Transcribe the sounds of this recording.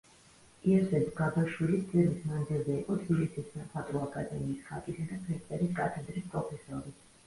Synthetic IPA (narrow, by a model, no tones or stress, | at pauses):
iɛsɛbɡabaʃwilit̪d̪sʼɛvismand̪zilˠzɛiqʼɔt̪ʰbilisissaχʰat̪ʼɾuakʼad̪ɛmiːsχakʼisad̪at̪ʰɾɛt̪ʼɛɾiskʼat̪ʰɛd̪ɾispʼɾɔpʰɛsɔɾi